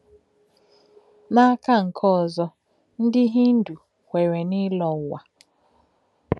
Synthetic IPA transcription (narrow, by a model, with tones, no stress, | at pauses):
na˦a˦ka˦ŋ̩˨kʰɔ˦ɔ˨zɔ˦ | n̩˦dɪ˦ɦi˦n̩˦du˨ | kʷe˨ɾe˨nɪ˦lɔ˨wa˨